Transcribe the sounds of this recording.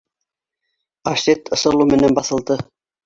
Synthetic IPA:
ɑʃet̪ɤ̆sɤ̆lˠumɘ̆nænbɑθɤ̆lˠd̪ɤ

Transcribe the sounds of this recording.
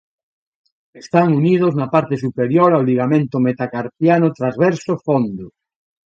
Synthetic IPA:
est̪aŋunið̞oznɐpaɾt̪esupeɾjoɾawliɣ̞amẽnt̪ʊmet̪akaɾθjanot̪ɾazβɛɾsofond̪ʊ

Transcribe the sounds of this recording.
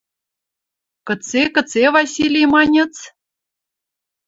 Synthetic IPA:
kɤ̆t͡sekɤ̆t͡sevɑsʲilʲejmɑnʲĕt͡s

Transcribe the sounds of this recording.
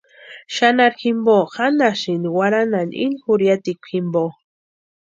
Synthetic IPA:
ʃanaɾximboxanaʃiniwaɾananḭnxuɾjat̪ikʷximbo

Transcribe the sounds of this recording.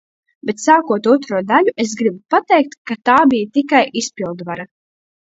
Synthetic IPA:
bet̪saːkuɔt̪ut̪ɾuɔd̪aʎʲuʔesɡɾibupat̪ɛjk̚t̪kat̪aːbijat̪ikajʔispilˠd̪vaɾa

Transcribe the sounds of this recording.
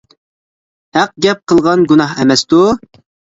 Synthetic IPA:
hæq̚ɡʲɛp̚qʰəlˠʁɑnɡunɑɦɛmɛst̪u

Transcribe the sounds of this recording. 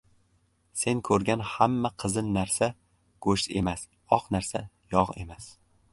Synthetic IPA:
se̞ŋkʰɵɾɡʲanhamːaqʰɨzɪnːaɾsa | ɡ̥ɵʃt̪e̞̰mas | ɒqnaɾsa | jɒʁe̞̰mas

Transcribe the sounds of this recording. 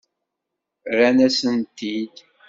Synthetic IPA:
ɾænæsənt̪id̪

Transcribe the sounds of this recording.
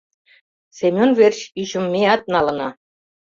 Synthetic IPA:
sʲemʲonvʲerʲɕyɕɘ̆mʲːeɑt̪̚nɑlˠɤ̆nɑ

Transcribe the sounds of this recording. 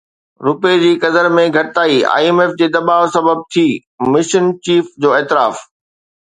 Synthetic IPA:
ɾʊped͡ʑiːkɐd̪əɾmẽɡʱɐʈɪt̪aːia̰ːiemeːfd͡ʑeːd̪ɐbaːʋsɐbəb̚t̪ʰiː | mɪʃənt͡ɕiːfd͡ʑoːɛːt̪ɪɾaːf

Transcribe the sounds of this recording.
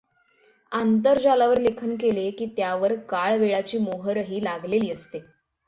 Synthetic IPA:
ant̪̬əɾd͡ʑalaʋəɾlekʰənkelekiːt̪jaʋəɾkaɭʋeɭat͡ɕiːmoɦəɾəɦiːlaɡleliːəst̪e

